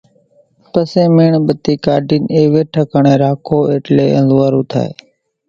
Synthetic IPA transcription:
pəsẽːmeːɳɓət̪iːkaːɖiːneːʋeːʈʰəkəɳẽːɾaːkʰoːeːʈleːənd̪uʋaːɾuːt̪ʰa̰ːḛː

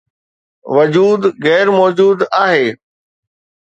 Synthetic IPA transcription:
ʋəd͡ʑuːd̪ɣɛːɾmɔːd͡ʑuːd̪aːɦeː

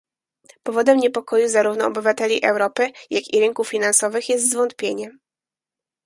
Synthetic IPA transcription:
pɔvɔd̪ɛmɲɛpɔkʰɔjuzaɾuvnɔɔbɘvat̪ɛlʲiʔɛwɾɔpɘjakʲiɾɘŋkuffʲinansɔvɘxjɛs̬t̪zvɔnt̪̚pʲjeɲɛ

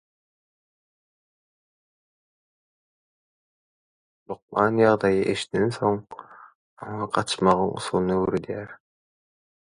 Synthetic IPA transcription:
lʊq̚mɑnjɑʁd̪ɑjəʔeʃnenso̞ɴ | ɑɴɑqʰɑt̪ə̥ʃmɑʁənʊ̰sulˠnøwɵɾed̪æɾ

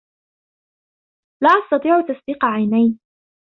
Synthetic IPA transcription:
laːʔɑst̪ɑt̪ˤiːʕt̪asb̪iːqʕajnajn

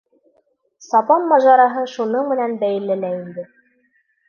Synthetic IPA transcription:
sɑpɑnːɑʒɑɾɑɦɤʃunɤɴmɘ̆nænbæjɘ̆lːɘlæind̪ɘ

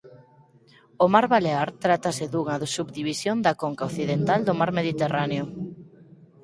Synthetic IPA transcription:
ʊmaɾβaleaɾt̪ɾat̪ɐsɪðuŋɐðsubd̪iβisjond̪ɐkoŋkaoθiðent̪ald̪ʊmaɾmeðit̪eraneʊ

